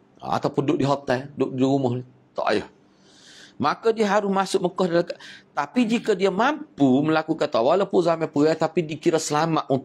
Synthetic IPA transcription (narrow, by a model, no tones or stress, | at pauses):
a̰t̪awpundʊʔ̚diɦɔt̪ajdʊʔdiumʊhni | t̪ɔ̰ʔa̰jɔ̰h | makadiəɦaɾʊsmasʊʔ̚məkɔhdalakaʔt̪apid͡ʒikədiamampuməlakukant̪awaləpʊʔzamapuɡajt̪apidikiɾəsəlamaʔʔunt̪